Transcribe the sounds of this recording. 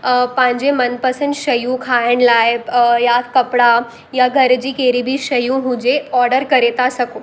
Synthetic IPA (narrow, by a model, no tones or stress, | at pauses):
pãɲd͡ʑemənpəsənd̪ʃɐjũkʰaəɳlajbjakɐpɽa | jaɡʱəɾd͡ʑiːkeːɾibʱiʃɐjũɦũd͡ʑeɔːɾɖəɾkɐɾet̪asɐko